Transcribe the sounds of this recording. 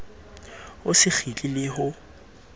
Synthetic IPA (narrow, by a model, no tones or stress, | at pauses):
ʊsɪk͡xʰit͡ɬʼɪlɪhʊ